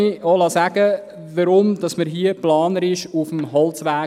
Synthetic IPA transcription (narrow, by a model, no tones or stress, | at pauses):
iolɑːsæɡ̥ə | ʋəɾʊmd̥ɑsməɾɦiəplɑːnəɾɪʃufmhɑlt͡sʋæː